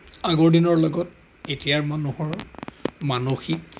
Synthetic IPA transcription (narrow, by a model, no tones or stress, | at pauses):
aɡoɹdinɔɹlɔɡɔt | etijaɹmanuhɔɹ | manoxik̚